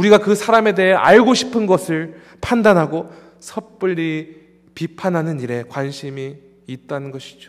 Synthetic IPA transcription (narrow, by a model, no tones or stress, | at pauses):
uɾiɡakɯsʰaɾame̞de̞ɦe̞ʔaɭɡoɕʰi̥pʰɯnɡʌsʰɯɭ | pʰandanɦaɡo | sʰʌp͈ɯʎːi | pipʰanɦanɯniɾe̞kwanɕʰimiː | t̚t͈anɯnɡʌɕʰi̥d͡ʑo